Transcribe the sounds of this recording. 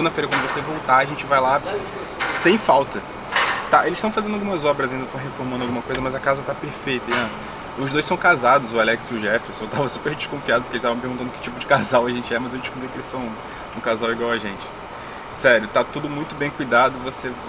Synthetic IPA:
seɡũd̪ɐfejɾɐkwɐ̃d̪ʊvosevowt̪aɐʒẽnt͡ʃɪvajla | sẽj̃fawt̪ɐ | t̪aʔelɪsʃt̪ɐ̃w̃fazẽnd̪awɡũmɐzɔbɾɐzaĩd̪ɐt̪ɐ̃ɦefoɾmɐ̃nd̪ʊawɡũmɐkojzɐmɐzɐkazɐt̪apeɾfejt̪ɐiɐ̃ | ʊʒd̪ojsɐ̃w̃kazad̪ʊzʊalɛksʊʒɛfesewt̪avɐsu̥peɾd͡ʒiʃkõfiad̪ɐpʊ̥kelɪʃt̪aṽpeɾɡũt̪ɐ̃nʊkɪ̥t͡ʃipʊd͡ʒɪkazawɐʒẽnt͡ʃɪɛmɐzewd͡ʒiʃkõpɾijkelɪʃsɐ̃w̃ | ũkazawiɡwawɐʒẽnt͡ʃɪ̥ | sɛɾjʊt̪at̪ud̪ʊmũj̃t̪ʊbẽj̃kujd̪ad̪ʊvose

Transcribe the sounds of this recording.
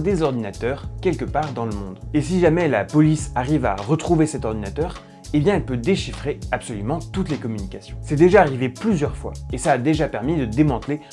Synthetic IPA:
d̪ezɔʁd̪inat̪œʁkʲɛlkəpaʁd̪ɑ̃ləmɔ̰̃d̪es̬iʒamɛlapɔlisaʁiva̰ʁət̪χuvesɛt̪ɔʁd̪inat̪œːʁ | ebjɛ̃ɛlpød̪eʃifχeapsɔlymɑ̃t̪ut̪lekɔmynikʲasjɔ̃sɛd̪eʒaːʁiveplyzjœʁfwa̰esaːd̪eʒapɛʁmid̪əd̪emɑ̃t̪le

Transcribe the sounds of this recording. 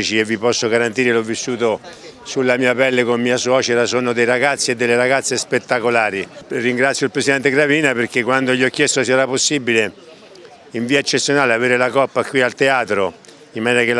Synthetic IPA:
it͡ʃievːipɔsːoɡaɾant̪iːɾelɔvːisːuːt̪o | sulːamiːapɛlːekommiːaswɔːt͡ʃeɾasoːnod̪ejɾaɡat̪sːeːd̪ːelːeɾaɡat̪sːespet̪ːakolaːɾiriŋɡɾat̪sjoilpɾesid̪ɛnt̪eɡɾaviːnapeɾkekːwand̪oʎiɔkːjɛst̪osiaɾapːosːibile | iɱviːaet͡ʃːet̪sːjonaːleaveːɾelakɔpːakwialt̪eaːt̪ɾo | imːaniːnakel

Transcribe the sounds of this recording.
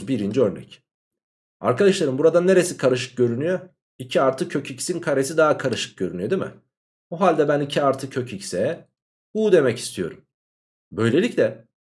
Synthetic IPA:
zbiɾind͡ʒiø̞ɾnɛ̰c | a̰ɾkʰad̪aʃlˠaɾɯmbuɾad̪aneɾe̞sikʰaɾɯʃ̬ɯ̥k̚ɟø̞ɾynyjø | icʰiaɾt̪ʰɯcʰøcʰicsinkʰaɾesid̪aɦakʰaɾɯʃɯ̥k̚ɟøɾynyjød̪imɪ̰ | buɦalʲd̪ɛbænicʰiaɾt̪ʰɯcʰøcʰicsɛ | bud̪e̞mɛci̥st̪ʰijo̞ɾum | bø̞jlʲe̞lʲiclʲɛ

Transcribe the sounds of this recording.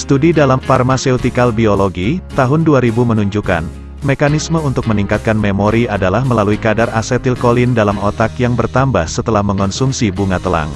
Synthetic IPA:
st̪udidalamfarmaseut̪ikalbioloɡit̪aɦʊnduaɾibumənuɲd͡ʒuka̰n | mekanisməunt̪ʊk̚məniŋkat̪̚kanmemoɾiadalahməlaluikadarasɛt̪ilkolindalamɔt̪akjaŋbərt̪ambahsət̪əlahməŋɔnsuŋsibuŋat̪əla̰ŋ

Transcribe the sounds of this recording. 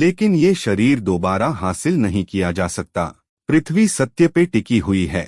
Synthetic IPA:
leːkɪnjeʃɐɾiːɾd̪oːbaːɾaɦaːsɪlnɐɦĩkijad͡ʒaːsɐk̚t̪a̰ː | pɾɪt̪ʰʋisɐt̪jəpeʈɪkiɦʊiɦɛ̰ː

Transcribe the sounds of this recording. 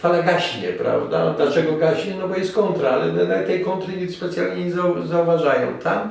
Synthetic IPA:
falaɡaɕɲɛpɾa̰vd̪a̰d̪lat͡ʂɛɡɔɡaɕɲɛnɔbɔjɛst̪̚kɔnt̪ɾaalɛ̰nɛnat̪ɛjkɔnt̪ɾɪɲʲispɛt̪sʲjalɲɛɲɛzazauvaʐajɔ̰̃w̃t̪ʰam

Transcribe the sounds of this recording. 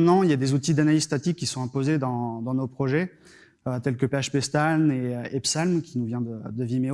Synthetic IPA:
nɑ̃iljad̪ezut̪̬id̪analiz̥st̪at̪ikʲːisɔ̃ɛ̃pozed̪ɑ̃d̪ɑ̃nopχɔʒɛ | øt̪ɛlkəpeaʃpɛst̪alneepsalmkʲinuvjɛ̃d̪əd̪əvimeo

